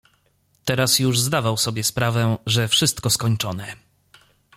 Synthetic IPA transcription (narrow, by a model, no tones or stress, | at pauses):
t̪ɛɾasjuʐzd̪avawsɔbʲjɛspɾavɛʐɛfʂɘst̪kɔskɔɲt͡ʂɔnɛ